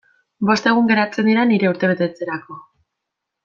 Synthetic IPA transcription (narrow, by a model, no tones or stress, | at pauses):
bo̞st̪e̞ɣ̞uŋɡe̞ɾat͡se̞nd̪iɾaniɾe̞uɾt̪e̞βe̞t̪et͡se̞ɾako̞